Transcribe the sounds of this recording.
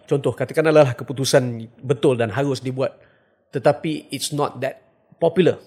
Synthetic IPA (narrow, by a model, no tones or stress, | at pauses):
t͡ʃɔnt̪ɔhkat̪akanalalahkəput̪usanbət̪ʊldanɦaɾʊsdibuat̪̚ː | ət̪apiɪtsnɔ̰t̪̚d̪ɛt̪̚ | pɔpjulə